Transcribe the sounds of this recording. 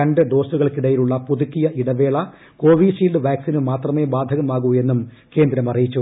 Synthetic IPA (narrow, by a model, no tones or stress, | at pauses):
ɐɳɖɨd̪o̞ːsuɣɐɭkiɽɐjiluɭːɐpuðukːijɐʔiɽɐʋe̞ːɭɐ | ko̞ːʋiːsiːlɖɨʋaːksinɨmaːt̪rɐme̞ːbaːd̪ʱɐɣɐmaːɣue̞nːum | ke̞ːnd̪ɾɐmɐrijit͡ɕːu